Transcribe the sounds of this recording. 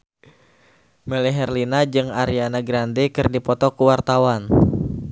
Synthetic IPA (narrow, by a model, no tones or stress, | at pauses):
mɛlɛɦɛrlinad͡ʒɨŋaɾianaɡɾandɛkɨrdipɔt̪ɔkuwart̪awan